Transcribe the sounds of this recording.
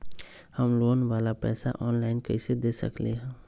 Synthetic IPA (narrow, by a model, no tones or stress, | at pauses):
həmloːnʋaːlapɛ̰ːsa̰ʔɔːnlaːɪnkɐ̰ised̪eːsə̰kleɦɛ̃ː